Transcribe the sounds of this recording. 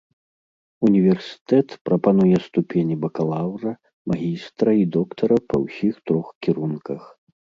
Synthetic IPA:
unʲivʲɛrsʲi̥t̪ɛt̪pɾɐpanujɛst̪upʲenʲibɐkalˠawrɐ | maɣʲist̪ɾɐid̪ɔkt̪ʰɐɾɐpʰɐ̰wsʲixt̪ɾɔxkʲiɾunkɐx

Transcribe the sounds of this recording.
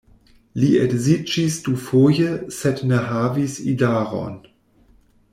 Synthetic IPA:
liɛdzid͡ʒisd̥ufojəsɛtnəɦaːvisḭdaːʁɔ̰n

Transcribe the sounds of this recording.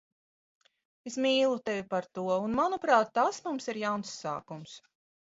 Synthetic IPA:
esmiːlˠut̪evʲipaɾt̪uɔunmanupɾaːt̪̚ːasmumsiɾjawnsːa̰ːkums

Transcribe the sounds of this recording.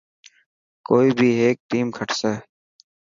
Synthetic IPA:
koːiːbʱiːɦeːk̚ʈiːmkʰəʈʰseː

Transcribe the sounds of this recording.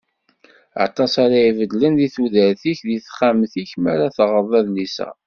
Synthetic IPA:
ɑ̰t̪ˤːɑsaɾajivəd̪lənðiθuðəɾθiçðiθχamθiçmaɾaθʁəðˤæðlisæ̰

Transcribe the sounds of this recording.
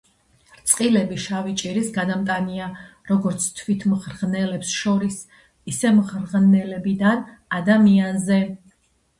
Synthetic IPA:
ɾt̪sʼqʼilɛbiʃavit͡ʃʼiɾisɡad̪amt̪ʼaniaɾɔɡɔɾt̪sʰt̪ʰwit̪ʰmʁɾʁnɛlɛpsʃɔɾis | isɛmʁɾʁnɛlɛbid̪an | ad̪amianzɛ

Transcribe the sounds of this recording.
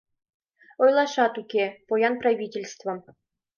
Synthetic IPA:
ojlˠɑʂɑt̪ukʲepojɑnprɑvʲitʲelʲst̪vɤ̆

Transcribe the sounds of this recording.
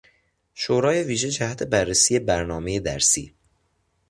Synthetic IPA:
ʃoːɾɒːje̞viːʒed͡ʒæhæt̪ʰe̞bærːesiːje̞bæɾnɒːme̞je̞d̪æɾsḭː

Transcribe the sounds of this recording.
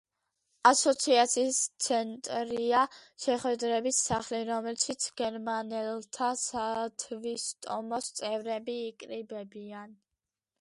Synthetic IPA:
asɔt̪sʰiat̪sʰiːst̪sʰɛnt̪ʼɾiaʃɛχwɛd̪ɾɛbisːaχliɾɔmɛlʃit̪sʰɡ̥ɛɾmanɛlt̪ʰasat̪ʰvist̪ʼɔmɔst̪sʼɛvɾɛbiːkʼɾibɛbian

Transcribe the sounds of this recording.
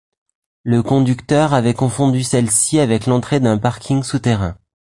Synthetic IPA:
ləkɔ̃d̪ykt̪œʁavɛkɔ̃fɔ̃d̪ysɛlsiavɛklɑ̃t̪χed̪ɛ̃paʁkʲiŋsut̪eʁɛ̰̃

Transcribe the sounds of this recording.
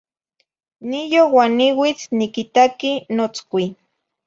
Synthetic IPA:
nijowaniwit͡snikit̪akinot͡skʷi

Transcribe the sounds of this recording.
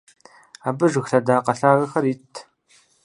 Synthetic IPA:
aːbɨʒʷɨxɬɐdaːqɐɬaːrɐxɐɾiːtʰ

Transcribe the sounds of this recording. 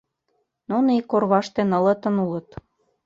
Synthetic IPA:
nunikːorβɑʃt̪enə̆lɤ̆t̪ə̆nulɤ̆t̪

